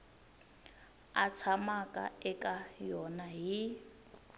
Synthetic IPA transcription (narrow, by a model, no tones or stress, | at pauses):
at͡sʰamakʼa̰ɛkʼajɔnaɦi